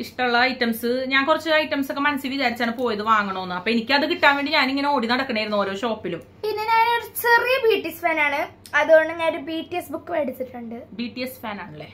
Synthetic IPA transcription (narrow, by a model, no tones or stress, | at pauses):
iʂʈɐmuɭːɐɐjtːɐmsɨɲaːnkurɐt͡ɕːɨajʈːɐmso̞kːemɐnɐsjiʋid̪aːɾit͡ɕːaːɳɨpo̞ːjɐðɨʋaːŋːɐɳoːonːɨɐpːoːenikʲːɨɐðɨkiʈːaːnʋe̞ːɳɖiɲaːniŋːɐneoːɽinɐɽɐkːɐɳeːjiɾunːoːɾoːɕo̞ːpːilum | pinːɐnaːnot͡ɕerijɐbiːʈːisfaːnaːɳɨ | ɐðuɣoɳɖɨŋːɐnɾubiːʈːijesbukːɨʋeːɽit͡ɕːiʈːuɳɖɨbiːʈːijesfaːnaːɳɐɭːeː